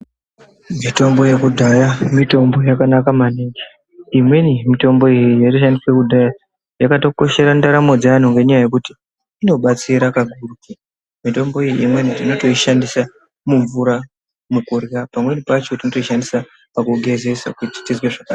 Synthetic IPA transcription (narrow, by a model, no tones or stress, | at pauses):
mito̞mbo̞je̞kudʱajamito̞mbo̞jakanakamaneŋɡe | imwenimito̞mbo̞ijijariʃandiswe̞kudʱaja | jakato̞ko̞ʃe̞ɾandaɾamo̞d͡zaan̤uŋɡe̞ɲajaje̞kuti | ino̞ɓat͡siɾakaɡʱuruke | mito̞mbo̞ijiimwe̞niatino̞to̞iʃandisa | muɱvuɾa | mukurɣapamwe̞nipat͡ʃo̞tinoto̞iʃandisa | pakuɡʱe̞ze̞sa̰kuti̥tizweʐaka